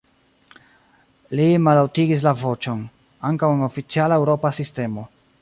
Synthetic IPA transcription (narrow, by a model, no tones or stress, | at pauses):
limalawtiɡis̬lavo̞t͡ʃo̞n | aŋkaweno̞fit͡sialaewɾo̞pasiste̞mo̞